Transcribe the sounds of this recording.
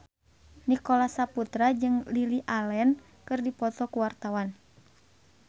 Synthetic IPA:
nikɔlasaput̪ɾad͡ʒɨŋliliʔalɛn | kɨrdipɔt̪ɔkuwart̪awan

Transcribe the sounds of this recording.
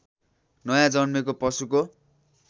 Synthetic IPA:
nʌjãd͡zʌnmek̬opʌsuko

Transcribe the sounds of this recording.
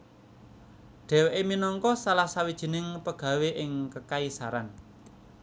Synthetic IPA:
ɖ̥ɛ̤weʔeminɔŋkɔsalahsawid̥ʒ̥i̤nɪŋpəɡ̥a̤weʔɪŋkəkaisaɾan

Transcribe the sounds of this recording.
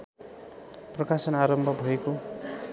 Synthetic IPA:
prʌkasʌnaɾʌmbʱʌbʱʌeko

